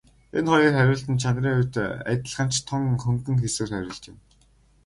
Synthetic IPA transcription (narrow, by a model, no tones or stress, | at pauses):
enχɔjəːrχæɾʲʊːɬt̪ɘ̆nt͡ɕʰanriːŋʊjʲt̪ːæ̰t̪ə̆ɮχə̆n̥t͡ɕʰt̪ʰːɔŋxɵŋt̪ɘ̆ŋxesŭːrχæɾʲʊ̆ːɮt͡ɕ̪ɪ̆m